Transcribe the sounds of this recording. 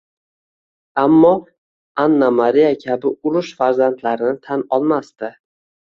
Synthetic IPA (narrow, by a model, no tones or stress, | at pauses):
amːɒ | anːamaɾijakʲʰabɪʊɾʊʃfaɾzant̪ʰlaɾɪnɪt̪ʰanɒlˠmast̪ɪ